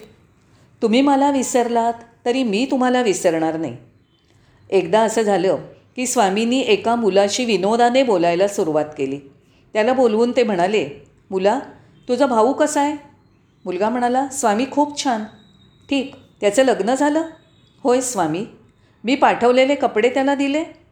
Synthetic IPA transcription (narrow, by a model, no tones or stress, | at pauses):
t̪um̤iːməlaʋisəɾlat̪ːəɾiːmiːt̪um̤alaʋisəɾɳaɾna̰j | ekd̪aəsəːd͡zʱaləː | kiːsʋaminiːʔekamulaɕiːʋinod̪anebolajlasuɾuʋat̪keliː | t̪jalaboluːnt̪em̤əɽ̃ale | mula | t̪ud͡zəbʱaʋuːkəsae | mulɡam̤əɽ̃alasʋamiːkʰuːpt͡ɕʰan | ʈʰiːk | t̪jat͡sələɡnəd͡zʱaləː | hojsʋamiː | miːpaʈʰəʋlelekəpɽet̪jalad̪ile